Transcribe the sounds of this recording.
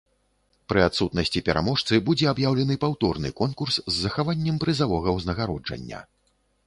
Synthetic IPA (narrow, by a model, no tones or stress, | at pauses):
pɾɨat̪sut̪nɐsʲt͡sʲipʲɛɾa̰mɔʂt̪sɨbud͡zʲɛabjawlʲɛnɨpawt̪ɔrnɨ̰kɔnkurszːɐxavanʲːɐmpɾɨzavɔɣɐwznɐɣaɾɔd͡ʐɐ̰nʲːɐ̰